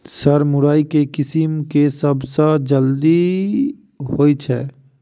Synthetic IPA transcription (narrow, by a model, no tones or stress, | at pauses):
sɐɾmʊɾaːikekɪsɪmkesəbsad͡ʒəld̪i | ɦoːit͡ʃʰɛ̰ː